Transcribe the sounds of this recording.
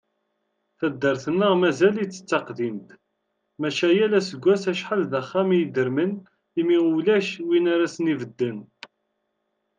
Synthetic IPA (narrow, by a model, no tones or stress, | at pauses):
θæd̪ːəɾθənːəʁmæzælit͡sːə̥t͡sːɑqðint̪ | mæʃæjælæsəɡʷːæsæʃħəlðæχːæmjid̪əɾmən | imiʁulæʃwinaɾæsənivəd̪ːən